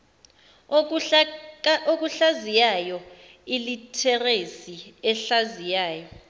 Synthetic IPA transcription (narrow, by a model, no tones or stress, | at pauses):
ok̬ʼuɬazijajɔ | ilitʰɛresiɛɬazijaːjɔ